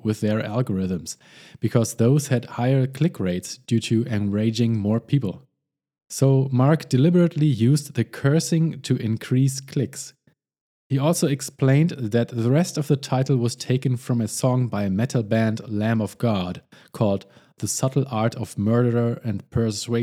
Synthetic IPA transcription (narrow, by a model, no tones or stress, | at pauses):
wɪðə˞ʔælˠɡəɹɪðə̃ms | b̥ɨkʰɔzðoʊz̥hɨdhaɪə˞kʰl̥ɪkʰɹeɪtsd̥jʉɾʰɨɨ̃nɹeɪd͡ʒɪ̃ŋmɔɹpʰipl̩ˠ | soʊmɑɹkd̥ɨlɪbə˞ɨtʰˡlijʉzdðɨkʰɜ˞sɪ̃ŋtʰɨʔɪ̃nkʰɹ̥iskʰl̥ɪks | hiɔlˠsoʊɨksplẽɪ̃ndðɨt̪̚ðəɹɛstʌvðətʰaɪtl̩ˠwʌz̥tʰeɪkɨ̃nfɹʌ̃mɨsɔ̃ŋbaɪɨmɛtʰl̩ˠbæ̃ndlæ̃mʌvɡ̥ɑd̥kʰɔlˠd̪̚ | ðəsʌɾl̩ˠʔɑɹɾʌv̥mɜ˞ɾə˞ə˞ɨ̃npʰə˞sweɪ